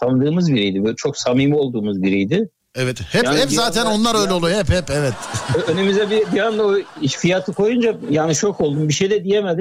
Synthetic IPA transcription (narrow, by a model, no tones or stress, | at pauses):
t̪ʰand̪ɯːmɯzbiɾijd̪ɪbt͡ʃʰo̞ksamiːmio̞lˠd̪uːmuzbiɾijd̪ɪ | ɛvɛt̪hɛjaanhɛpzaːt̪ʰæno̞nlˠaɾøjlʲɛolˠuhɛphɛpɛvɛt̪ɛønemizɛbibiand̪aoiʃfijat̪ʰɯkʰo̞jund͡ʒajaːniʃo̞kʰo̞lˠd̪umbiʃejd̪ɛd̪ijemed̪i